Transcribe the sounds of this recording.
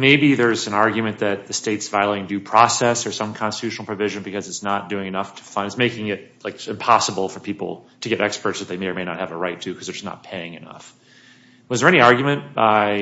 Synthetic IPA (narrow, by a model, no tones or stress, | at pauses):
meɪbiðə˞zɨ̃nɑɹɡjmɨ̃nðɨt̪̚ðɨsteɪtsvaɪlˠɪ̃ŋdɨpʰɹ̥ɔsɛsə˞sʌ̃mkʰɑ̃nstɨ̥tʰʉʃn̩l̩ˠpʰɹ̥ɨvɪʒɨ̃nbɨkʰʌzɨtsnət̚d̥ʉɪ̃ŋɨnʌftʰə̥fʌ̃nɨtsmeɪkɪ̃ŋɪt̚laɪkɨ̃mpʰɑsəbl̩ˠfə˞pʰipl̩ˠtʰɨɡɛɾʔɛkspə˞tsðɨt̪̚ðeɪmeɪə˞meɪnə̰t̚hɨvəɹaɪtʰɨkʰʌzðə˞d͡ʒʌsnə̰t̚pʰeɪɪ̃ŋɨnʌ̰f | wʌzðə˞ɛ̃niɑɹɡjmɨ̃nb̥aɪɪ